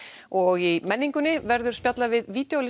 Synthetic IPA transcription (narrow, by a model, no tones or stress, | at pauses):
ɔɣimɛnːiŋkʏnːɪvɛɾðʏɾ̥spjat̪lavɪðviːt̪jowlɪ